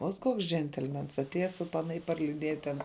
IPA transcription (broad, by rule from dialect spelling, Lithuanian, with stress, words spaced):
oːt ˈkoːks ˈd͡ʒʲɛnʲtʲɛlʲmʲɛns ɐtʲˈeːjɛ sʊ ˈpɑːnɐ ɪr pɐrʲlʲɪˈdʲiɛjɛ ˈtʲɛn